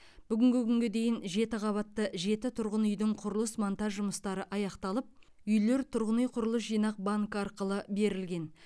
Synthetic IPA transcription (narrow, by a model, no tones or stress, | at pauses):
b̥ʏɡʲɪŋɡʲɪkʲʰʏŋɡʲed̪e̞jɪnʒe̞t̪ɪʁʰɑβɑt̪ːəʒe̞t̪ɪt̪ʰʊɾʁənʏjd̪ɪɴqʰʊɾəlˠəsmont̪ɑʒʒʊməst̪ɑɾəʔɑjɑqt̪ɑlˠəp̚ʏjle̞ɾt̪ʰʊɾʁənijqʰʊɾəlˠəs̬ʒijnɑq̚baŋkɑɾqəlˠəbe̞ɾɪlɡʲe̞n